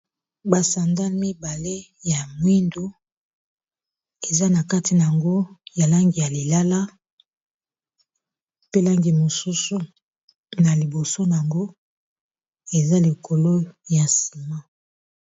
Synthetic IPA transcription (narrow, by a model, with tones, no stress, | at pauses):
ba˨sa˨nda˦lmi˦ba˨le˦ja˨mwi˦ndo˦ | e˨za˦na˨ka˦ti˨na˨a˨ŋɡo˦ja˨la˦ŋɡi˨ja˨li˨la˦la˦ | pe˦la˦ŋɡi˨mo˨su˦su˨ | na˨li˨bo˨so˦na˨ŋɡo˦ | e˨za˦li˨ko˨lo˦ja˨si˨ma˦